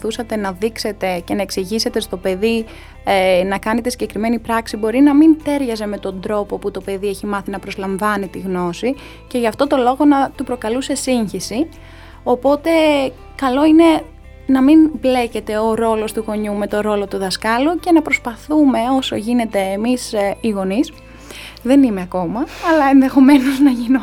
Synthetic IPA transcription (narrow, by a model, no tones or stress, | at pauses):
θusɐt̪e̞nɐðikse̞t̪e̞ce̞nɐe̞ksiʝise̞t̪e̞st̪o̞pe̞ði | nɐkɐne̞t̪esiɟe̞kɾime̞nipɾɐksibo̞ɾinɐmint̪e̞ɾʝɐze̞me̞t̪o̞nd̪ɾo̞poput̪o̞pe̞ðieçimɐθinɐpɾo̞zlɐɱvɐnit̪iɣno̞si | ce̞ʝɐft̪o̞t̪o̞lo̞ɣo̞nɐt̪upɾo̞kɐluse̞siɲçisi | o̞po̞t̪e̞ | kɐlo̞ine̞ | nɐminble̞ce̞t̪e̞oɾo̞lo̞st̪uɣo̞ɲume̞t̪o̞ɾo̞lo̞t̪uðɐskɐluce̞nɐpɾo̞spɐθume̞o̞so̞ʝine̞t̪e̞ːmisiɣo̞nis | ðe̞nime̞ɐko̞mɐɐlɐe̞nðe̞xo̞me̞noznɐʝino